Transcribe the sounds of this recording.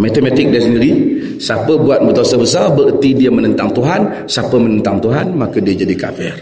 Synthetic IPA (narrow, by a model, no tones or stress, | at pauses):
mat̪əmat̪ɪk̚dɛsniɾi | sapəbuat̪̚bət̪uasəbəsarbəʔt̪idiamənənt̪aŋt̪uɦan | sapəmənənt̪aŋt̪uɦanmakədiad͡ʒadika̰fɛr